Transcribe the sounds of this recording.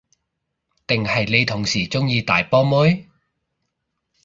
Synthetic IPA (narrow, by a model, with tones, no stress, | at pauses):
t̪ɪ˨ŋhɐ˨jne˨˧jt̪ʰʊ˨˩ŋsiː˨˩t͡sʊ˥ŋjiː˧t̪a̰ː˨jpɔː˥mʊ˥j